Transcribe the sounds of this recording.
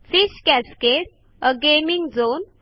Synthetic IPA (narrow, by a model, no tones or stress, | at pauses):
fiɕkɛskeɾ | əɡemiŋɡd͡zon